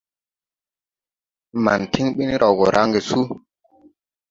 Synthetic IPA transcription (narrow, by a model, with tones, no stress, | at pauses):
ma˨ntʰi˦ŋɓi˦ni˦ɾʔa˨wɡɔ˨ɾʔa˦ŋɡe˨su˦